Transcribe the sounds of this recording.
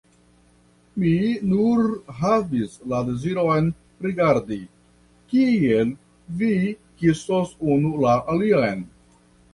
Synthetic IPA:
minuɾɦavislade̞ziɾo̞jn | ɾiɡaɾdi | kiel | vikisosunulaʔaliajn

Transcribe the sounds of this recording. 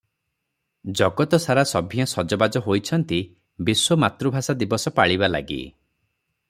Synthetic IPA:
d͡ʒɔɡɔt̪ɔsaɾasɔbʱiɔsɔd͡ʒɔbad͡ʒɔɦojt͡ʃʰɔnt̪i | biswɔmat̪ɾubʱasad̪ibɔsɔpaɭibala̰ɡḭ

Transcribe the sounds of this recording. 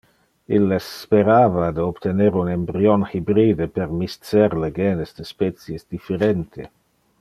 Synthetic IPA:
ilːespeɾaːvad̪eobt̪eneɾunembɾionxibɾiːd̪epeɾmist̪t͡sɛɾleɡeːnesd̪espɛt̪t͡sjesd̪ifeɾent̪ʰe

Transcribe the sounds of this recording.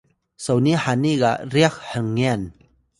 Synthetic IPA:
səwnihaniɡaʔriək̚həŋːɛn

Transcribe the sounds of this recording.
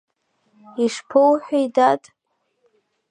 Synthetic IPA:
iʂpʰowħʷᶣajdatʼ

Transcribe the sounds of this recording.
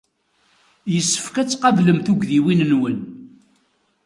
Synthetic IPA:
jəsːə̥fkæt͡sːqɑvləmθuɡðiwinnwən

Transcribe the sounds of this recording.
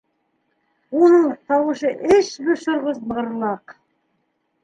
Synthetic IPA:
wonəɴt̪ʰɑwəʃəʔɪʃbɪɾʃʊɾʁəzbəʁəɾlˠɑq

